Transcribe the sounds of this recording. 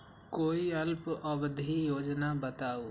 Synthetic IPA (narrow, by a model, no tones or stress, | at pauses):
koːiəlpəbd̪ʱijoːd͡ʒnabət̪aːoː